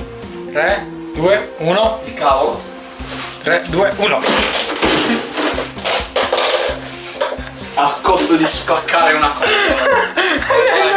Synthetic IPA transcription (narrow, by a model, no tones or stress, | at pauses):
t̪ɾɛ | d̪uːeuːnoikao | t̪ɾɛd̪uːeʔuːno | akːɔst̪od̪ispakːaːɾeunakɔa